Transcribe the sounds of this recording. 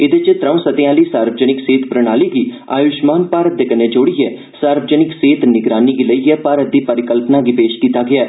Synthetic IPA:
ɪd̪eːt͡ʃɪt̪ɾəũsət̪ejãːləiːsaːɾʋəd͡ʒənɪkseːt̪pɾəɽ̃aːliːɡiː | a̰ːjʊʃmaːnpaːɾət̪̚d̪eːkəneːd͡ʒoːɽijɛː | saːɾʋəd͡ʒənɪkseːt̪nɪɡɾaːniːɡiləiɛːpaːɾət̪̚d̪iːpəɾɪkəlpnaːɡipeːʃkiːt̪aːɡɪaː

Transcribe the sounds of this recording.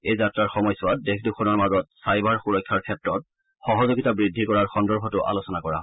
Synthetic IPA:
ejzatɹaɹxɔmɔjsʊwadekʰdukʰɔnɔɹmazɔt̚sajbaɹxuɹɔjkʰːaɹkʰːɛtɹɔt̚ | xɔɦɔzoɡitabɹidʱːikɔɹaɹxɔndɔɹbʱɔtʊʔa̰losɔnakɔɹa̰ɦɔ

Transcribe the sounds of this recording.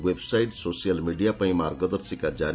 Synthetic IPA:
websajʈsosijalmiɖijapãĩmaɾɡəd̪əɾsikad͡ʒaɾ

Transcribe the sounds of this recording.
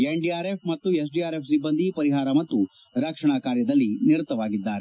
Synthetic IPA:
eɳɖiaːɾepmɐt̪ːues̬ɖijaːɾe̞p̚sibːɐnd̪ʱipɐɾiɦaːɾɐmɐt̪ːu | ɾɐkʂɐɳakaːɾjɐd̪ɐlːiniɾut̪ːɐʋaːɡid̪ːaːɾe

